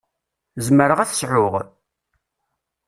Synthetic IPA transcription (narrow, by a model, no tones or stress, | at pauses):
zməɾəʁæθə̥sʕʊʁ